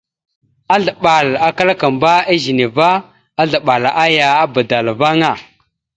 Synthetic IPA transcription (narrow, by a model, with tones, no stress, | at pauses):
a˦ɮa˨ɓa˨la˨ka˦la˦ka˨mba˦a˦zi˨ne˨va˦ | a˦ɮa˨ɓa˨lʔa˦ja˨a˦ba˨da˨lva˦ŋa˨